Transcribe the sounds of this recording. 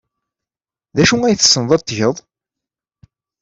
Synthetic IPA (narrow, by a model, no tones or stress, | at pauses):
ðæʃuæjθə̥sːənðˤɑt̪ˤːʝəðˤ